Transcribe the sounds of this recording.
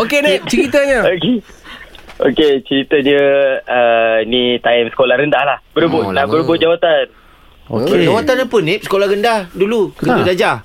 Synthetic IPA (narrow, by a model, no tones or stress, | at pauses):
okenap̚t͡ʃəɾit̪əɲəoke | o̰ket͡ʃəɾit̪əɲəənit̪aimsə̥kolahɾəndahlahbəɾubʊʔnãhbəɾubʊʔ̚d͡ʒawat̪an | o̰ked͡ʒawat̪anapənẽp̚sə̥kolahrɾəndahdulukət̪udad͡ʒa